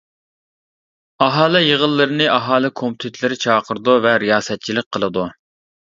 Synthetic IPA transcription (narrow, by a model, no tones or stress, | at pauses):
ɑɦɑːlˠɨjəʁəlˠːɨɾɨnɪʔɑɦɑːlˠɨkʰompt̪ʰut̪ʰlɪɾɪt͡ʃʰɑːqʰəɾɨd̪uvɛɾijɑːsɛt̪̚t͡ʃʰilɪk̚ʲqʰəlˠɨd̪u